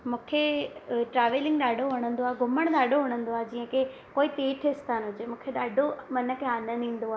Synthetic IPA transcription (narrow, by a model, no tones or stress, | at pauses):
mũːkʰeʈɾaːʋelɪ̃ŋɡɗaːɖʱoɦoɽ̃ə̃nd̪oaːɡʱʊməɽ̃ɗaːɖʱoɦoɽ̃ə̃nd̪oaːd͡ʑĩːə̃ke | koːit̪eːʈʰɪst̪aːnɦʊd͡ʑemũːkʰeɗaːɖʱomɐnə̆keaːnənĩːn̆d̪oaː